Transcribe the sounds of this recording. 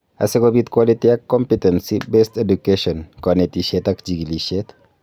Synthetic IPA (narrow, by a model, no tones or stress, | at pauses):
ɐ̰seɡobit̪kwalitiakːɔmpitensibestedukeʃɔnkɔnet̪iʃet̪ɐkd͡ʒiɡiliʃet̪